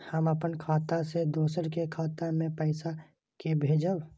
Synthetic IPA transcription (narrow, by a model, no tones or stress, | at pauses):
həməpənkʰaːt̪ased̪oːsəɾkekʰaːt̪amẽpəɪsa | kebʱeːd͡ʒəw